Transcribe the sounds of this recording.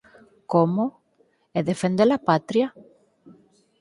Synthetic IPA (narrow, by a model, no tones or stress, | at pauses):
komo | eðefend̪elapat̪ɾja